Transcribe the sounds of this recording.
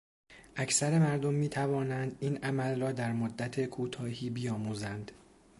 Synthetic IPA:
ʔæcʰsæɾe̞mæɾd̪omːiːt̪ʰævɒːnænd̪iːnʔæmælrɒːd̪æɾmod̪ːæt̪ʰe̞kʰuːt̪ʰɒːhiːbijɒːmuːzænd̪

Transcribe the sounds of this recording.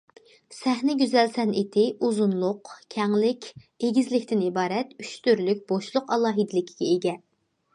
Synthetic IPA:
sɛɦnɪɡʲyzɛlsɛnet̪ʰɪʔuzunlˠʊqkʲʰɛŋlɪkʲ | eɡʲizlɪkʲt̪ɪnibɑːɾɛt̪yt͡ʃt̪yɾlyk̚ʲb̥oʃlˠʊqɑlˠɑːɦid̪ɪlɪkʲʰi̥ɡʲɛeɡʲɛ

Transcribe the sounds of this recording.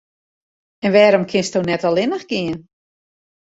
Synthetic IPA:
ɛnʋɛːɾɔmkʰɪnstownɛtɔlˠɪnəxɡ̥ɪən

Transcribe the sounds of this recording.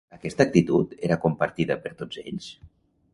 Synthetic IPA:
əkɛst̪əːk̚t̪it̪ut̪eɾəkumpaɾt̪iðəpəɾt̪od͡zeʎs

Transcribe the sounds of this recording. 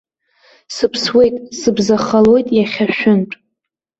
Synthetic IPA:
sɨpʰswe̞jtʼsɨbzaχalo̞jtʼjaχʲaʃᶣʊnʈ͡ʂʼ

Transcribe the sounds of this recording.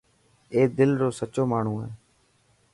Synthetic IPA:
eːd̪ɪlɾoːsət͡ʃoːmaːɳ̤ũːɦeː

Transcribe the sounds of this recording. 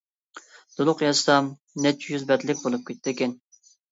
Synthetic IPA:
d̪̥olˠʊqjɑst̪ɑm | nɛt͡ʃʰːjyzbɛd̪lɪk̚ʲbolˠup̚kʲʰet̪ːd̪ɪkʲɛn

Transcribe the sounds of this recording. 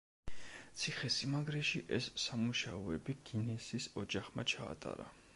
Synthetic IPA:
t̪sʰiχɛsimaɡɾɛʃiʔɛsːamuʃaɔɛbiɡ̥inɛsisɔd͡ʒaχmat͡ʃʰa̰ːt̪ʼa̰ɾa̰

